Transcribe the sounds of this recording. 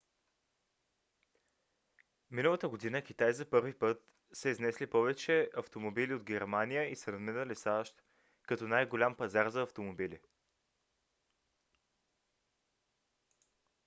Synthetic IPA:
minəlˠət̪əɡod̪inəkʲit̪ajzɐpɤɾvipɤt̪̚ | sɛiznɛslipɔvɛt͡ʃɛɐft̪omobilʲiod̪ɡʲɛɾmanijəisɛnɐd̪minəlisaʃt̪ | kɐt̪ɔnajɡolʲampɐzaɾzɐːft̪omobilḭ

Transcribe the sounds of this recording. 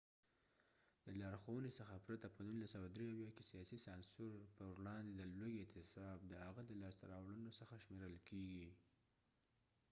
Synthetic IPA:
ləlɑɾxowənesəxapɾat̪apənunlasawad̪ɾeawjɑke̥sijɑsisɑnsoɾpəwlɑnd̪edəlojet̪ɪsɑbd̪əhaɣad̪əlɑst̪aɾɑwlənosəxaʃmeɾəlkeɡi

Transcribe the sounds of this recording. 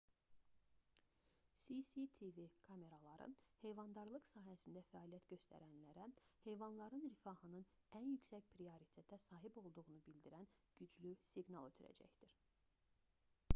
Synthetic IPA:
sisit̪ʰivikʰɑme̞ɾɑlˠɑɾɯ̰he̞jvɑnd̪ɑɾlˠɯqsɑːɦæsind̪æfæɑlijæt̪ɟø̞st̪ʰæ̰ɾænlæɾæhe̞jvɑnlˠɑɾɯnɾifɑhɯnɯnænjycsæcpʰɾioɾit̪ʰe̞t̪ʰæsɑːɦibo̞lˠd̪uʁunubild̪iɾænɟ̥yd͡ʒlysiɡnɑlˠø̞t̪ʰyɾæ̰d͡ʒæ̰çd̪̥iɾ

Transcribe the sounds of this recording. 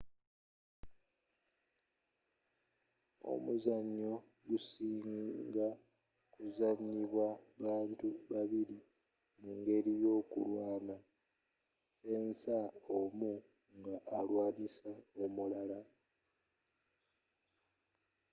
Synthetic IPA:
o̞̰muzaɲːo̞ | ɡusiːŋɡa | kuzaɲːiβwaβaːntuβaβiɾi | muŋɡe̞ɾijo̞ːkṵlwaːna | e̞ːnsaomu | ŋɡaʔːlwaːnisao̞mulala

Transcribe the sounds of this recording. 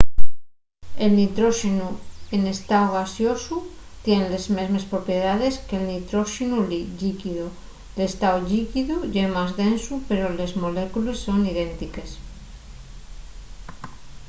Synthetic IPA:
e̞lnit̪ɾo̞ʃinuene̞st̪aoɣasjo̞su | t̪je̞nle̞zme̞zme̞spɾo̞pje̞ð̞aðe̞skelnit̪ɾo̞ʃinuliʎikiðu | lest̪aoʎikiðuʝemazðe̞nsupe̞ɾole̞zmo̞le̞kulesːo̞niðe̞nt̪ike̞s

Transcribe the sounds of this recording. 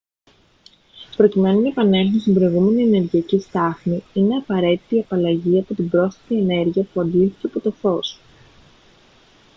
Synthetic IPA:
pɾo̞cime̞nunɐepɐne̞lθunst̪imbɾo̞iɣume̞nie̞ne̞ɾʝiɐcist̪ɐxniine̞ɐpɐɾe̞t̪it̪iɐpɐlɐʝiɐpo̞t̪ibɾo̞sfɐt̪ie̞ne̞ɾʝiɐpuɐnd̪ilθiteɐpo̞t̪o̞fo̞s

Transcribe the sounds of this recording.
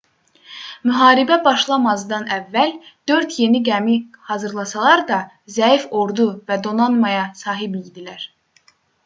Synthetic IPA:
myɦɑːɾibæbɑʃlˠɑmɑzd̪ɑnævːæld̪̥ø̞ɾd̪je̞niɡæmihɑzɯɾlˠɑsɑlˠɑɾd̪ɑ | zæifo̞ɾd̪uvæd̪o̞nɑnmɑjɑsɑːɦibijd̪ilæɾ̥

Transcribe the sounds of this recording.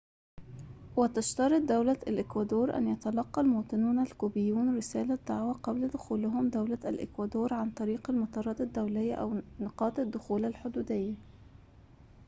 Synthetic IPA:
wɪt̪aʃt̪ɑɾˤɪt̪̚d̪awlaalʔɪkwad̪oːɾˤʔa̰njat̪alɑqːɑlmoːt̪ˤɨnuːnalkuːbɪjːuːnɾɪsæːlad̪ːaʕwaqɑblad̪ʊxuːlɪɦʊmd̪awlaalʔɪ̰kwad̪oːɾˤʕant̪ˤɑɾiːqalmʊt̪ɑrˤːɑd̪ad̪ːawlɪjːaʔawnɑqɑːt̪ˤad̪ːʊxuːlalħʊd̪uːd̪ɪjːa

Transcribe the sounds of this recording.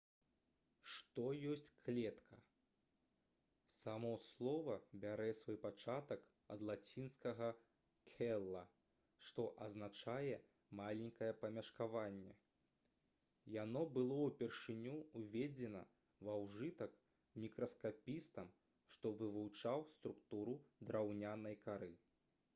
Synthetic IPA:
ʂt̪ɔjɔsʲt͡sʲklʲɛt̪kʰɐ | samɔslˠɔvɐbʲaɾɛsvɔjpat͡ʂat̪ɐk | ɐ̰d̪lˠat͡sʲinskɐɣɐ | kʲʰɛlˠːɐ | ʂt̪ɔʔɐznat͡ʂajɛ | malʲɛnʲkɐjɛpɐmʲɐʂkavanʲːɛ | janɔbɨlˠɔwpʲɛrʂɨnʲuːvʲɛd͡zʲɛnɐ̰ | vawʐɨt̪ɐk | mʲikɾɐskapʲist̪ɐm | ʂt̪ɔvɨvuwt͡ʂawst̪ɾukt̪uɾud̪ɾawnʲanɐjkaɾɨ

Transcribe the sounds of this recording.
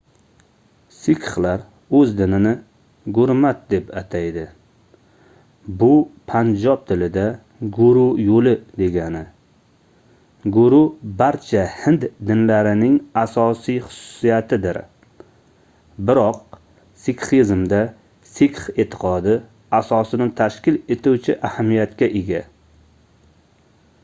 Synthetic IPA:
sikʰχlaɾ | ɵzd̪ɪnɪnɪ | ɡʊɾmat̪̚d̪e̞pat̪ʰajd̪ɪ | bʊpʰand͡ʒɒp̚t̪ʰɪlɪd̪a | ɡʊɾʊjolɪd̪e̞ɡʲanɪ | ɡʊɾʊbaɾt͡ʃʰahɪnd̪d̪ɪnlaɾɪnɪŋasɒsijχʊ̥sʊ̥sijat̪ʰɪd̪ɪɾ | bɪɾɒq̚ | sikχizmd̪a | sikχet̪ʰɪ̥qʰɒd̪ɪ | asɒsɪnɪt̪ʰaʃkʲɪle̞t̪ʰuwt͡ʃʰɪʔahamːijat̪kʲaʔeɡʲa̰

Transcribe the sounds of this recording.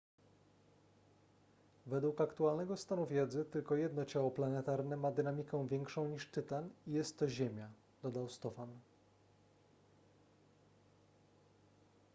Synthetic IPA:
vɛd̪wukakt̪ualnɛɡɔst̪anuvʲjɛd̪zɘt̪ɘlkɔjɛd̪nɔt͡ɕawɔplanɛt̪aɾnɛmad̪ɘnamʲikɛ̃w̃vʲjɛŋkʂɔ̃w̃ɲiʂt̪ɘt̪anijɛst̪ːɔʑemʲja | d̪̥ɔd̪awst̪ɔfan

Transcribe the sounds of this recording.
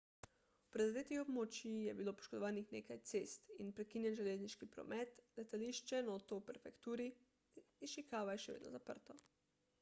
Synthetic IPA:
upɾɛzad̪eːt̪ixɔbmoːt͡ʃjijɛbiloːpɔ̥ʃkod̪ɔʋaːnixneːkajt̪seːst̪inpɾɛkinjɛnʒɛleːzniʃkipɾɔ̰mɛt̪lɛt̪aliʃt͡ʃɛnot̪ɔwpɛɾfɛkt̪uːɾiː | ʃikaːʋajɛʃɛʋḛːd̪nɔ̰zapə̰ɾt̪ɔ

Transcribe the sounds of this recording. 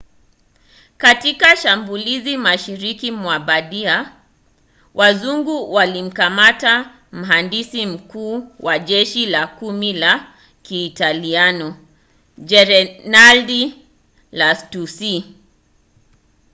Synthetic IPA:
katikaʃambulizimaʃiɾikimwaɓaɗia | wʔazuŋɡuwalim̩kamata | m̩ɦandisim̩kuːwaʄɛʃilakumila | kiːtalianɔ | d͡ʒɛɾɛnaldi | lastusi

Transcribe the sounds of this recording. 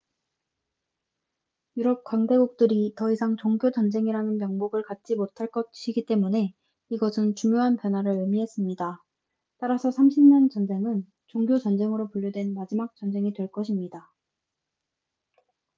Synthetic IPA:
juɾʌp̚kwaŋde̞ɡuk̚t͈ɯɾitʌisʰaŋt͡ɕoŋɡjot͡ɕʌnd͡ʑe̞ŋiɾanɯnmjʌŋmoɡɯɭkat̚t͡ɕ͈imotʰaɭk͈ʌt̚ɕʰiɡit͈e̞mune̞ | iɡʌsʰɯnt͡ɕuŋjoɦanpjʌnɦwaɾɯɭɯmiɦe̞s͈ɯmɲida | t͈aɾasʰʌsʰamɕʰimɲʌnt͡ɕʌnd͡ʑe̞ŋɯn | t͡ɕoŋɡjot͡ɕʌnd͡ʑe̞ŋɯɾopuʎjodwe̞nmad͡ʑimak̚t͡ɕ͈ʌnd͡ʑe̞ŋidwe̞ɭk͈ʌɕʰimɲida

